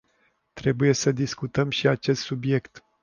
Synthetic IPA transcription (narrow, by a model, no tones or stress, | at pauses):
t̪ɾe̞buje̞səd̪iskut̪əmʃiat͡ʃe̞st̪subje̞kt̪